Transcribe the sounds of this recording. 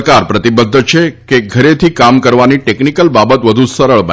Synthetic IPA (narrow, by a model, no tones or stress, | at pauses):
kaɾpɾət̪ibəd̪ʱːt͡ʃʰekeɡʱəɾet̪ʰikamkəɾʋaniʈeknikəlbabət̪ʋəd̪ʱũsəɾəɭbə